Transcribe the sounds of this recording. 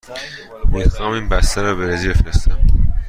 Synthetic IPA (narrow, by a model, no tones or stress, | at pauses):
miːxɒːmiːnbæst̪ʰæɾɒːbeɾezibefɾest̪æm